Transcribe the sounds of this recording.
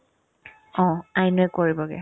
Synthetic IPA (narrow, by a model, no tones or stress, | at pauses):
ɔ̃ajnʊɛkoɹibɔɡɛ̰